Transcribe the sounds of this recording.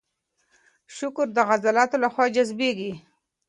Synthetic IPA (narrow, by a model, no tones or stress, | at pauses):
ʃʊkɾd̪əɣazalɑt̪olaxwɑd͡ʒazbeɡi